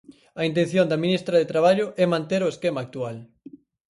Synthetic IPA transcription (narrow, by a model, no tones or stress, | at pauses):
ɐint̪ẽnθjõnd̪ɐminist̪ɾɐðet̪ɾaβ̞aʎʊʔɛmãnt̪eɾoeskɛmaːk̚t̪ual